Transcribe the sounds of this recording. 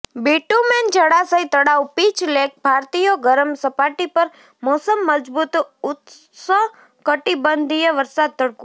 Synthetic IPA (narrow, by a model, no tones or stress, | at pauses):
biʈumend͡ʒəɽasəit̪əɽaʋpit͡ʃlek̚bʱaɾt̪ijoɡəɾəmsəpaʈipəɾ | mosəmːəd͡ʒbut̪ʊt̪ | sə | kəʈibənd̪ʱijəʋəɾsad̪̚t̪əɽku